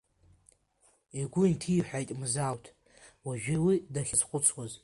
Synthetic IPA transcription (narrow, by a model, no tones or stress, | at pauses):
iɡʷʊntʰiħʷᶣajtʼmzawtʰ | waʒᶣɪwidaχʲɪzqʷʼʊt͡sʰwaz